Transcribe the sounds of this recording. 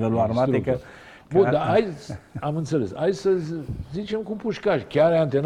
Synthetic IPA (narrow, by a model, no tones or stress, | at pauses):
veluaɾmaɾekə | bõd̪aajamɨnt̪səlesa̰jsəzit͡ʃemkumpuʃkaʃkʲaɾeant̪en